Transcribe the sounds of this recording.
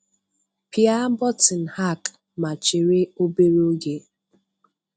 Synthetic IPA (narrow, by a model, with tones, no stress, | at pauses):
pi˨a˦bɔ˦tɪ˨n̩˨ha˦˨k | ma˨t͡ʃɪ˨ɾe˦o˦be˦ɾe˦o˦ɡe˦